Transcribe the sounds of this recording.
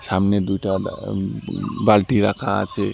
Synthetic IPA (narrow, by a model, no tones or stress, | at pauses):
samned̪ujʈa | balʈiɾakʰã̰t͡ʃe